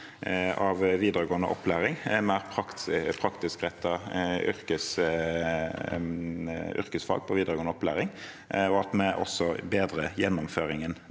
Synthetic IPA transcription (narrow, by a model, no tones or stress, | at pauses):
ɑʋʋiːd̪əʁəɡoːənəʔɔ̰pːlæːɾɪŋmɛæɾpʰʁɑkpʰɾɑkt̪ɪskʁɛt̪ʰːɑʏ̰ɾkəs | ʏ̰ɾkəsfɑ̰ɡ̚pʰɔʋiːd̪əʁəɡoːnəɔplæ̰ːʁɪŋ | ɔɑt̪mɛʔɔ̰sːɔbeːd̪ɾəjɛnːʊmføːʁɪŋən